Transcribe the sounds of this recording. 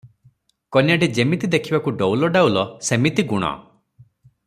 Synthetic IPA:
kɔnjaɖed͡ʒemit̪id̪ekʰibakuɖɔwlɔɖawlɔsemit̪iɡuɽ̃ɔ̰

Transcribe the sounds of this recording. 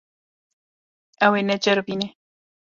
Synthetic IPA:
awenat͡ʃaɾopine

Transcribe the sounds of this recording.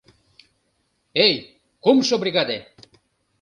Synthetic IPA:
ej | kumʃobɾiɣɑd̪e

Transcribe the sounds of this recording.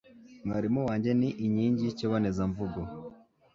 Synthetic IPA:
ŋɡaɾimuwaːɲɟeniʔiɲiːɲɟiciβonezaɱvuɡo

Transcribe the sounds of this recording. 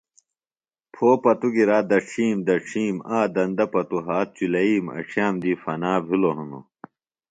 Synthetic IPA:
pʰoːpɐt̪uɡiɾaːd̪ɐʈ͡ʂʰiːmd̪ɐʈ͡ʂʰiːmaːd̪ɐnd̪ɐpɐt̪uɦaːt̪̚t͡ɕulɐiːmɐ̰ʈ͡ʂʰjaːmd̪iːfɐnaːbʱiloɦɐno̰

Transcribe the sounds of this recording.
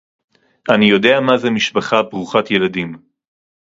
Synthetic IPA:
ʔanijo̞de̞amazemiʃbaχabʁuχatje̞ladim

